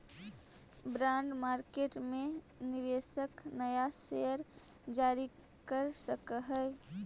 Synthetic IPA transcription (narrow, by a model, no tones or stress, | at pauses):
bɾãːɳɖmaːɾkeːʈmẽ | nɪʋeːsəknəjasejəɾ | d͡ʒaːɾi | kəɾsəkɦɛ